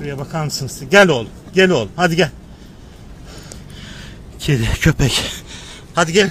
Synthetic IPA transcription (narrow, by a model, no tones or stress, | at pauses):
ɾijabakʰamɯsɯnsɯɟælʲolˠumɟelʲolˠumhad̪iɟælʲ | cʰed̪ɪcʰøpʰɛc | had̪iɟælʲ